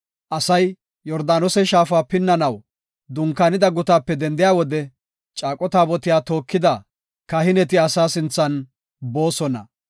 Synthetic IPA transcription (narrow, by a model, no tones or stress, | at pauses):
ʔɐsɐj | jɔɾd̪aːnɔsɛʃaːfaːpɪnːɐnɐw | d̪ʊŋkːaːnɪd̪ɐɡʊt̪aːpːɛd̪ɛnd̪ɪjaːwɔd̪ɛ | t͡ʃʼaːkʼɔt̪aːbɔt̪ɪjaːt̪o̞ːkːɪd̪ɐ | kɐhɪnɛt̪ɪɐsaːsɪnt͡sːɐn | bo̞ːsɔnɐ̰